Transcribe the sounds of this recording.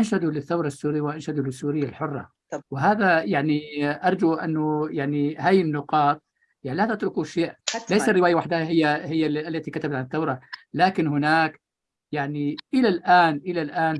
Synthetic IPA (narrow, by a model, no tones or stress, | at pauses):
ʔanʃad̪ulɪθːawɾˤɑsːuːɾɪjwʔanʃad̪ulɪsːuːɾɪjːalħʊrˤːɑ̰ | wɪɦaːðajaʕniʔɑɾˤd͡ʒuʔɪ̰nːʊjaʕnihaːjɪnːʊqɑːt̪̚ˤ | jaʕnilaːt̪at̪ɾʊkuʃeːʔlajsarːɪwaːjawaħd̪ahahɪjːahɪjːalːat̪ikat̪abat̪ʕanɪθːawɾˤɑlaːkɪnhʊnaːk | jaʕniʔɪlalʔaːnʔɪlalʔaːn